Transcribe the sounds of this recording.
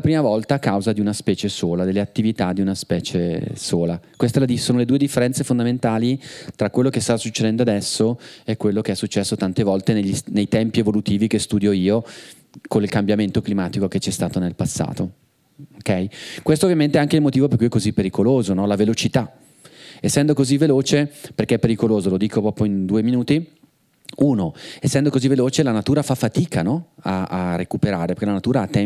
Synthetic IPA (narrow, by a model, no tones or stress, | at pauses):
apɾiːmavɔlt̪aːkawzad̪iunaspɛːt͡ʃesoːlad̪elːeat̪ːivit̪ad̪iunaspɛːt͡ʃesoːlakwest̪elad̪isoːnoled̪uːed̪ifːeɾɛnt̪sefond̪ament̪aːlit̪ɾakwelːokest̪asːut͡ʃːed̪ɛnd̪oad̪ɛsːoɛkːwelːokeɛsːut͡ʃːɛsːot̪ant̪evɔlt̪eneʎːisnejt̪ɛmpievolut̪iːvikest̪uːd̪joiːo | konilkambjament̪oklimaːt̪ikoket͡ʃːɛst̪aːt̪onelpasːa̰ːt̪o | okɛjkwest̪oːvjament̪eɛaŋkeilmot̪iːvop̬erkujɛkːozipːeɾikoloːzonɔlavelot͡ʃit̪a | esːɛnd̪okozivːeloːt͡ʃeperkeɛpːeɾikoloːzolod̪iːkopɾɔːpoind̪uːeminuːt̪i | uːnoesːɛnd̪okoziveloːt͡ʃelanat̪uːɾafafːat̪iːkanɔaarekupeɾaːɾepeɾrkelanat̪uːɾaat̪ːɛ